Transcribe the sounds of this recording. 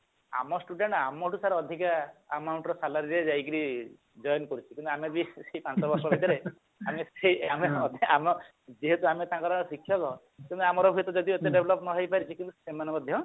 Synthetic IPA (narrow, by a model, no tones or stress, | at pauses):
a̰mɔsʈuɖeɳʈamɔʈusaɾɔɔd̪ʱikaːmawɳʈɔɾɔsalaɾiɾed͡ʒajkiɾi | d͡ʒɔjɔnkɔɾut͡ʃʰikint̪uamet̪biseipãnt͡ʃɔbɔɾsɔbʱad̪aɾe | ameseiamet̪amɔ | d͡ʒiɦet̪uamet̪ãːŋkɔɾasikʰːjɔkɔ | t̪emnamɔɾɔbʱujt̪ɔd͡ʒɔd̪ʱiɔt̪eɖebʱelɔpnɔɦejpaɾit͡ʃʰikint̪usemanemɔd̪ʱjɔ